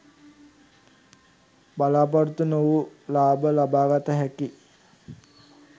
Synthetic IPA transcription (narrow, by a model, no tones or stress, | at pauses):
balaːpaɾut̪unoʋulaːbəlabaːɡat̪əɦæki